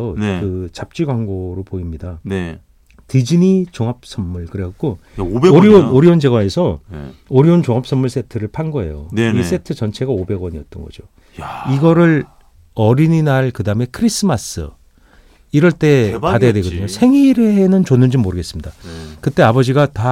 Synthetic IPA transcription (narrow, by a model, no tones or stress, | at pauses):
ʌkɯt͡ɕap̚t͡ɕ͈iɡwaŋɡoɾopoimɲidan | tid͡ʑinit͡ɕoŋap̚s͈ʌmmːuɭkɯɾeakk͈ooɾionoɾiond͡ʑe̞ɡwaesʰʌoɾiont͡ɕoŋap̚s͈ʌmːuɭs͈e̞tʰɯɾɯɭpʰanɡoɦe̞̰jo̰is͈e̞tʰɯt͡ɕʌnt͡ɕʰe̞ɡaobe̞ɡwʌɲiʌt͈̚ʌ̰nɡʌ̰d͡ʑo | iɡʌɾɯɭ | ʌɾininaɭkɯdaɯme̞kʰɯɾis͈ɯmas͈ɯ̰ | iɾʌɭt͈e̞adajadwe̞ɡʌdɯɲosʰe̞ŋiɾenɯnt͡ɕonːɯnd͡ʑimːoɾɯɡe̞s͈ɯmɲidakɯt͈e̞abʌd͡ʑiɡata